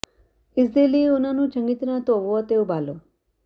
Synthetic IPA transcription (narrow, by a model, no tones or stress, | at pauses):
ɪsd̪eliunanũːt͡ʃəŋɡit̪nãt̪oʋoat̪eubʱaːlo